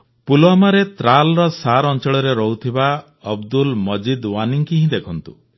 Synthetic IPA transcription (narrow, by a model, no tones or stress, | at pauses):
puloamaɾet̪ɾalɔɾɔsaɾɔnt͡ʃɔɭɔɾeɾɔɦut̪ʰiba | ɔbd̪ulmɔd͡ʒid̪waniŋkiɦĩd̪ekʰɔnt̪u